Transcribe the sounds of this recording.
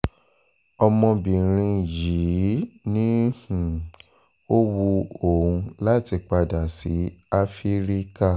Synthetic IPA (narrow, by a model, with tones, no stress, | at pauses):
ɔ˧mɔ̃˧bĩ˨ɾ̃ĩ˧ji˨˦nĩ˦hũ˨ | o˦wu˧o˨ũ˧la˦ti˧k͡pa˧da˨si˨˦a˦fi˦ɾi˦ka˦˨